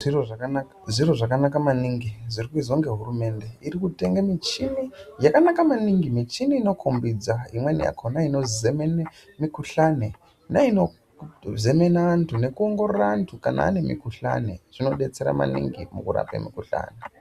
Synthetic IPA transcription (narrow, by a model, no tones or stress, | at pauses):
ir | ʐiroʐakanakamaniŋɡiʐirikuizoŋɡe̞ɦurume̞nde̞iɾikute̞ŋɡamit͡ʃinijakanakamaniŋɡimit͡ʃiniːno̞kʰombid͡zaimwenija̰kʰonaino̞zemene | mikuɬane | naino̞ | ze̞me̞naantʰune̞kuoŋɡo̞ɾorantʰukana̰a̰ne̞mḭkuɬa̰nḛʐ̥ino̞ɗe̞t͡se̞ɾa̰ma̰nḭŋɡimṵkuɾa̰pḛmikuɬa̰ːne